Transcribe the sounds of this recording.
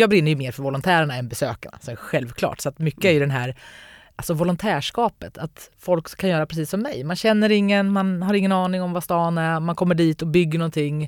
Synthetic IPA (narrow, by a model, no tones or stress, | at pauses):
jɑːɡbɾɪnːɾjɵmeːɾfœɾvɔlʊnt̪ʰæːɾaɳaɛnbɛsøːka̰ɳa̰sɔmɛɾɧɛlvkʰlɑ̰ːʈsɔat̪mʏkːəæɾjɵd̪ɛnɦæːɾʔalsɔvɔlʊnt̪ʰæːʂkɑːpət̪ʰat̪fɔlkʰːanjœːɾapʰɾɛs̬iːsːɔmːɛ̰jmanɕɛnːəɾɪŋːənmanɦaɾɪŋːənɑːnɪŋɔmvast̪ɑːnæmankʰɔmːəɖiːt̪ɔbʏɡːəɳɔnt̪ʰɪŋː